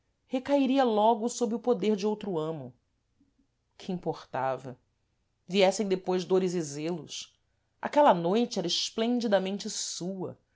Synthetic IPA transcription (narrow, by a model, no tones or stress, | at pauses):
hekaiɾiɐlɔɡʊsobɾɪʊpod̪eɾd͡ʒɪowt̪ɾʊɐ̃mʊ | kʰɪĩmpoχt̪avɐ̰ | viɛsẽd̪epojzd̪oɾɪzizelʊ̰s | a̰kɛlɐnojt͡ʃɪɛɾɐɪʃplẽnd͡ʒid̪ɐmẽnt͡ʃɪsuɐ̰